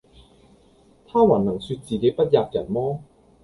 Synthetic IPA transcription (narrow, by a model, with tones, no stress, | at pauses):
t̪ʰaː˥waː˨˩nnɐ˨˩ŋsyː˧t̚t͡siː˨ke˨˥jpɐ˥t̚jaː˧p̚jɐ̰˨˩nmɔː˥